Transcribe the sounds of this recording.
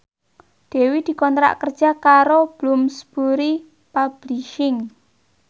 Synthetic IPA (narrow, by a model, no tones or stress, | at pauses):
d̪̥e̤wid̪̥i̤kɔnt̪ɾa̰ʔkərd̥ʒ̥a̤kaɾob̥lumsb̥uɾi | pab̥liʃɪŋ